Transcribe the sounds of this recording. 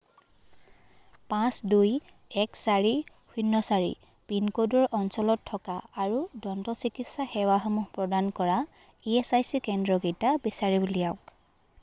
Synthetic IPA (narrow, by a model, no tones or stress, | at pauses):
pãsduj | ɛksaɹi | hʰunːɔsaɹḭ | pinkodɔɹʔɔnsɔlɔtʰːɔkaːɹudɔntɔsikitsaxɛwaxɔmuɦpɹɔdankɔɹa | iɛsajsikɛndɹɔɡitabisaɹibulijaʊk